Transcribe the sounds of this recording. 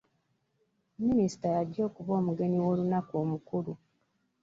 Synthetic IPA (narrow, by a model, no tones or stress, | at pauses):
minisi̥tajaɟːo̞ːkuβo̞ːmuɡe̞niwo̞lunakoːmukulu